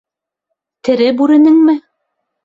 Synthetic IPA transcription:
t̪ɘ̆ɾɘbʉɾɘ̆nɘŋmɘ

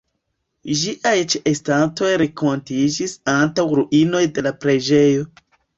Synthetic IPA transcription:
d͡ʒiʔajt͡ʃeʔestato̞jɾekontid͡ʒisantawɾuʔino̞jde̞lapɾe̞d͡ʒe̞jo̞

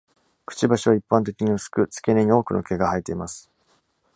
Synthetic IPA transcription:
kɯ̟̥t͡ɕibaɕiβaipːãnt̪e̞kʲiɲ̟iɯsɨ̥kɯ̟t͡sɨ̥ke̞neɲ̟io̞ːkɯ̟no̞̰ke̞ɡahait̪ːe̞imasɨ̥

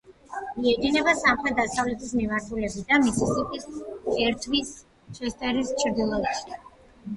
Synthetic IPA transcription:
miɛd̪inɛbasamχɾɛt̪̚d̪asavlɛt̪ʰismimaɾt̪ʰulɛbid̪amisisikʼisɛɾt̪ʰwis | ʃɛst̪ʼɛɾist͡ʃʰɾd̪ilˠɔbʃi̥

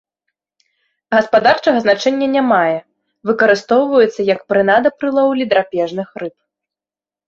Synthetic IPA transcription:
ɣɐspad̪art͡ʂɐɣɐznat͡ʂɛnʲːɐnʲamajɛ | vɨkɐɾɨst̪ɔwvɐjɛt̪sːɐjɐkpɾɨnad̪ɐpɾɨlˠɔwlʲid̪ɾapʲɛʐnɨxrɨp̚

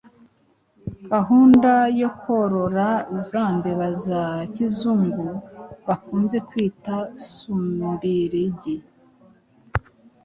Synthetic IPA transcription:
ɡaɦuːndajo̞ko̞ɾo̞ɾazaːndeβazacizumɡuβakuːnze̞kwiːtasumuɾiɾiɟi

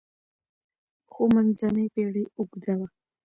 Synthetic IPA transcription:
xomanzanəjpeɽiʊɡd̪awa

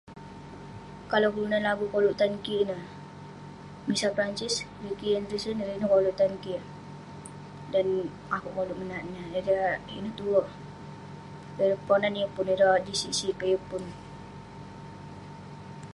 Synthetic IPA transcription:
kalawkulunanlaɡukoluʔt̪ankinə | misapɾant͡ʃis | ɾikiənɾisəniɾinəkoluʔt̪anki | dan | akuʔkɔluʔmənaʔnəɾəḭnəht̪uəh | əɾəpɔnaniəpʊniɾɔd͡ʒisisikəjəpʊn

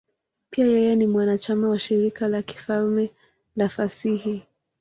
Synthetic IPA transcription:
piajɛjɛnimwanat͡ʃamawaʃiɾikalaki̥falmɛ | lafasihi

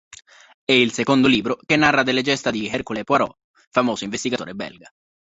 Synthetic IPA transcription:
ɛilsekond̪oliːbɾokenːarːad̪elːed͡ʒɛst̪ad̪iɛrkulepwaɾɔ̰ | famoːsoiɱvest̪iɡat̪oːɾebɛ̰lɡa

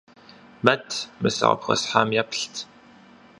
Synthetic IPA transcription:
mɐtʰmɨsɐ̰ʁɐ̰pxʷɐ̰sħaːmjapʰɬtʰ

